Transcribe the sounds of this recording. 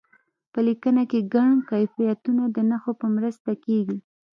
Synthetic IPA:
pəlikənakeɡaɳkajfijat̪unad̪ənaxopəmɾəst̪akeɡi

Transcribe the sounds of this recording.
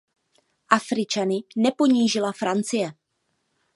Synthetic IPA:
ʔafɾɪt͡ʃanɪnɛpo̞ɲiːʒɪlafɾant͡sɪjɛ

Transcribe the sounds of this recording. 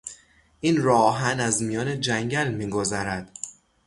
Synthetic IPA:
iːnɾɒːɦænæzmijɒːne̞d͡ʒæŋɟælmiːɡo̞zæɾæd̪̥

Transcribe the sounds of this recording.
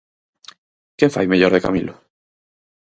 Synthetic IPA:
kefa̰jmeʎoɾðeka̰milʊ

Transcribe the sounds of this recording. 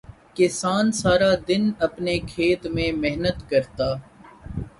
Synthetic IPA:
kɪsaːnsaːɾad̪ɪnɐpnekʰeːt̪mẽːmeɦnət̪kəɾt̪aː

